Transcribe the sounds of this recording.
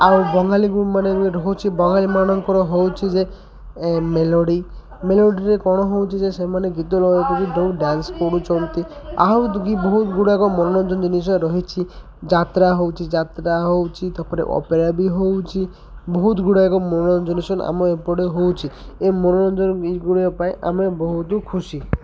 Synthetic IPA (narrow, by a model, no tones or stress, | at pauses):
aubɔŋaliɡumaneiɾɔɦot͡ʃʰibɔŋɡalimanɔŋkɔɾɔɦowt͡ʃʰid͡ʒe | melɔɽi | meloɽiɾekɔɽ̃ɔɦowt͡ʃʰid͡ʒesemaneɡit̪ɔlɔjɔkɔɡiɖowɖanskɔɽut͡ʃɔnt̪ia̰ɦwɡibɔɦut̪ɡuɽakɔmɔnɔnɔnd͡ʒɔnd͡ʒinisɔɾɔɦit͡ʃʰi | d͡ʒat̪ɾaɦowt͡ʃʰid͡ʒat̪ɾaɦowt͡ʃʰit̪apʰɔɾḛʔɔ̰peɾabiɦowt͡ʃʰi | bɔɦut̪ɡuɽakɔmɔnɔnɔnd͡ʒinisɔna̰mɔepɔɽeɦowt͡ʃʰi | emɔnɔnɔnd͡ʒɔnɡuɽiɔpaeʔa̰mebɔɦut̪ukʰusi